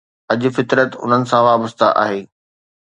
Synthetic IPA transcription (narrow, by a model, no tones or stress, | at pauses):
ɐʄʊ̆fɪt̪ɾət̪ʊ̰n̤ənɪ̆sãʋaːbəst̪a̰ʔa̰ːɦeː